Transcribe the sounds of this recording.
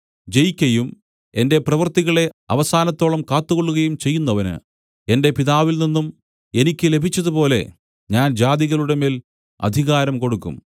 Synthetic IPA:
d͡ʑejkʲːɐjum | e̞nde̞prɐʋɐrt̪iɣɐɭe̞ɐ̰ʋɐsaːnɐt̪ːo̞ːɭɐmkaːt̪ːukoɭːuɣɐjumt͡ɕe̞jːunːɐʋɐnɨ̰ | e̞nde̞piðaːʋilninːum | e̞nikʲːɨle̞bʱit͡ɕːɐðupo̞ːle̞̰ | ɲaːnd͡ʑaːðiɣɐluɽe̞meːl | ɐ̰d̪ʱiɣaːɾɐmko̞ɽukːṵm

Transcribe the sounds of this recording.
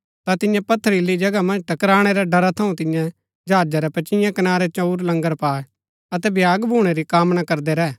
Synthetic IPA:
t̪at̪ɪjãpɐt̪ʰːəɾilid͡ʒɐɡamɐ̃nd͡ʒʈɐkɾaːɽ̃ɛɾaɖɐɾat̪ʰɐũt̪ɪ̃jã | d͡ʒʱaːd͡ʒaɾɛpɐt͡ʃɪ̃jãkɐnaːɾɛt͡ʃɐuɾlɐ̃ŋɡəɾpaːe | ɐt̪ɛbʱjaːɡbʱuːɽ̃eɾikaːmnakɐɾd̪ɛɾɛː

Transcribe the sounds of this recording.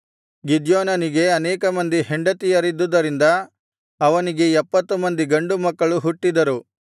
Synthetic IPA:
ɡid̪joːnɐniɡe̞ɐnɛːkɐmɐnd̪iɦeɳɖɐt̪ijɐɾid̪ːud̪ɐɾind̪ɐ | ɐʋɐniɡe̞ɛpːɐt̪ːumɐnd̪iɡɐɳɖumɐkːɐɭuɦuʈːid̪ɐɾu

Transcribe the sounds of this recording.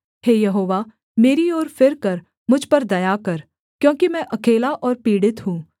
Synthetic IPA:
heːjɐɦoːʋa | meːɾiɔːɾfɪɾkɐɾ | mʊd͡ʒʱpɐɾd̪ɐjakɐɾ | kjõːkimɛ̃ʔɐkeːlaʔɔːɾpiːɽɪt̪ɦũː

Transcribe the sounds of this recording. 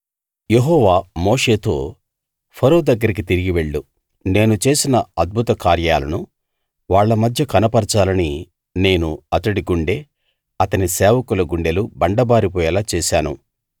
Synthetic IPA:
je̞ɦɔːʋaːmoːʂe̞ːt̪o̞ː | pʰɐɾoːd̪ɐɡːɐɾik̬it̪iɾiɡiʋe̞ɭːu | ne̞ːnut͡ʃe̞ːsinɐɐd̪̚bʱut̪ɐkaːɾjaːlɐ̰nu | ʋaːɭːɐmɐd̪ʱjɐkɐnɐpɐɾt͡ʃaːlɐni | ne̞ːnuɐt̪ɐɽiɡuɳɖe̞ː | ɐt̪ɐnisɛːʋɐkulɐɡuɳɖe̞lubɐɳɖɐbaːɾipɔːjɛlaːt͡ʃɛːsaːnṵ

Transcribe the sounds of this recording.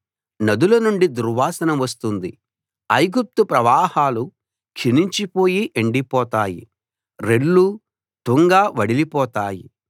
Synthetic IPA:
nɐd̪ulɐnuɳɖid̪uɾʋaːsɐnɐmʋɐst̪und̪i | ɐjɡup̚t̪upɾɐʋaːhaːlu | kʃiniɲt͡ʃipo̞ːjiʔeɳɖipɔːt̪aːjḭ | ɾeɽːu | ʈ̪uŋɡaːʋɐɽilipɔːt̪aːji

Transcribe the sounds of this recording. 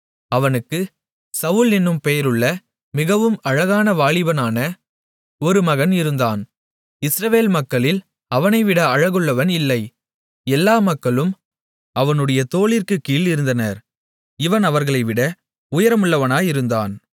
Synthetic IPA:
ɐʋɐnɯkːɯ | sɐʊlɪnːɯmpejɐɾɯɭːɐ | mɪɣɐʋɯmɐɻɐɣaːnɐʋaːɭɪʋɐnaːnɐ | ɔɾɯmɐɣɐnɪɾɯnd̪aːn | ɪsɾɐʋeːlmɐkːɐɭɪl | ɐʋɐnɐɪʋɪɽɐɐɻɐɣɯɭːɐʋɐnɪlːɐɪ | ɛlːaːmɐkːɐɭɯm | ɐʋɐnɯɽɐjɐt̪oːɭɪrkɯkːiːlɪɾɯnd̪ɐnɐɾ | ɪʋɐnɐʋɐɾɣɐɭɐɪʋɪɽɐ | ʊjɐɾɐmʊɭːɐʋɐnaːjɪɾɯnd̪a̰ːn

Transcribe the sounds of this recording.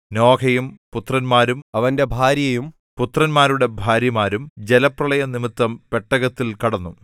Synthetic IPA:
no̞ːkʰɐjumput̪rɐnmaːɾumɐʋɐnde̞bʱaːɾjɐjum | put̪ːrɐnmaːɾuɽe̞bʱaːɾjɐmaːɾumd͡ʑelɐprɐɭɐjɐnimit̪ːɐmpe̞ʈːɐɣɐt̪ːilkɐɽɐnːu

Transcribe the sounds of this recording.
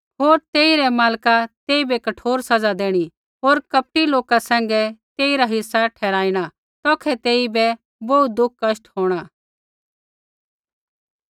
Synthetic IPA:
ɦoːɾt̪eːiɾɛmaːlkat̪eːibɛkɐʈʰoːɾsɐd͡zad̪eːɽ̃i | ɦoːɾkɐp̚ʈiloːkasɛ̃ːŋɡɛt̪eːiɾaɦɪsːaʈʰɛːɾaːiɽ̃a | t̪ɔːkʰɛt̪eːibɛ | bout̪̚d̪ʊk̚ʰːkɐsʈɦoːɽ̃aː

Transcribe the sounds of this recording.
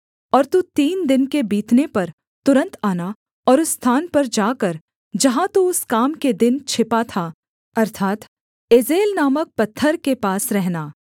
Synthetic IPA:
ɔːɾt̪ut̪iːnd̪ɪnkebiːt̪nepɐɾ | t̪ʊɾə̃nt̪aːna | ɔːɾʊsːt̪ʰaːnpɐɾd͡ʒaːkɐɾ | d͡ʒɐɦãt̪uʊskaːmked̪ɪnt͡ʃʰɪpat̪ʰaː | ɐɾt̪ʰaːt̪ | ɪzeːlnaːmək̚pɐt̪ʰːəɾkepaːsɾɛɦnaː

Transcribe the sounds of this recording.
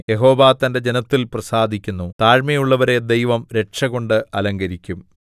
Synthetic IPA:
je̞ɦo̞ːʋaːt̪ɐnde̞d͡ʑe̞nɐt̪ːilprɐsaːd̪ʱikʲːunːut̪aːɻmɐjuɭːɐʋɐɾe̞d̪e̞jʋɐmɾe̞ʈʂɐɣo̞ɳɖɨɐlɐŋɡɐɾikʲːum

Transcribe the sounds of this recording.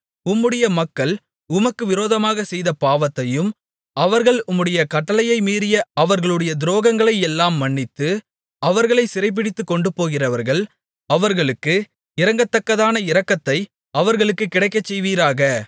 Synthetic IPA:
ʊmːɯɽɐjɐmɐkːɐɭ | ʊmɐkːɯʋɪɾoːðɐmaːɣɐsɛjðɐpaːʋɐt̪ːɐjɯm | ɐʋɐɾɣɐɭʊmːɯɽɐjɐkɐʈːɐlɐjɐɪmiːɾɪjɐɐʋɐɾɣɐɭɯɽɐjɐd̪ɪɾoːɣɐŋɡɐɭɐɪɛlːaːmːɐɳːɪt̪ːɯ | ɐʋɐɾɣɐɭɐɪsɪɾɐɪp̬ːɪɽɪt̪ːɯkːɔɳɖɯpoːɣɪrɐʋɐɾɣɐɭ | ɐʋɐɾɣɐɭɯkːɯ | ɪɾɐŋɡɐt̪ːɐkːɐðaːnɐɪɾɐkːɐt̪ːɐɪ | ɐʋɐɾɣɐɭɯkːɯkːɪɽɐɪkːɐt͡ʃːɛjʋiːɾaːɣɐ

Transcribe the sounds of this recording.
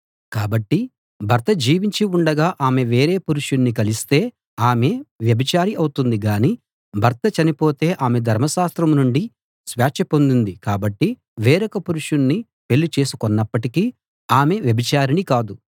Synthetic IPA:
kaːbɐʈːi | bʱɐɾt̪ɐd͡ʒiːʋiɲt͡ʃiuɳɖɐɡaːʔaːme̞ʋe̞ːɾeːpuɾuʂunːikɐlist̪e̞ː | aːme̞ʋjɐbit͡ʃaːɾiɐwut̪und̪iɡaːni | bʱɐɾt̪ɐt͡ʃɐnipo̞ːt̪e̞ːʔaːme̞d̪ʱɐɾmɐʃaːst̪ɾɐmnuɳɖi | sʋaːt͡ʃɐpo̞nd̪und̪ikaːbɐʈːi | ʋeːɾɐkɐpuɾuʂunːi | pe̞lːut͡ʃe̞ːsu̥konːɐpːɐʈikiː | aːme̞ʋjɐbit͡ʃaːɾinikaːd̪u

